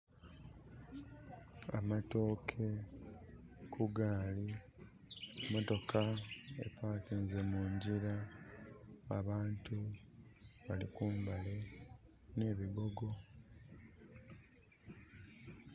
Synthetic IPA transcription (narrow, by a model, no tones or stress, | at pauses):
a̰mato̞ːkʰe̞ | kʰuɡaːli | mo̞to̞kʰaḛpaːtinzemuːɲɟiɾa | a̰βaːntu | βalikuːmbale̞ | ne̞ːβiɡo̞ɡo̞